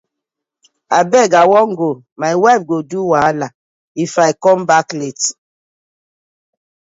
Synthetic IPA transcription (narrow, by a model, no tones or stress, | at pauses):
abɛɡawɔŋɡo | maɪwɛb̚ɡoduwala | ifajkɔmbaklet